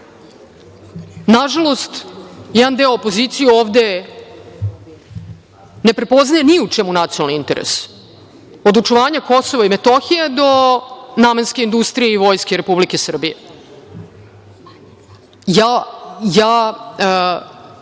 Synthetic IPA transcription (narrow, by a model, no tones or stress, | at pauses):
naʒalˠo̞st̪jɛd̪and̪eoopo̞zit̪sijuoːʋd̪e̞ | ne̞pɾe̞po̞znajeniut͡ʂɛmunat̪sionalniint̪eɾḛs | od̪ut͡ʂuʋaːɲako̞so̞ʋaimet̪o̞xijed̪o̞naːmenske̞ind̪ust̪ɾijeiʋo̞ːjskʲeɾe̞publikesr̩bije | jajaː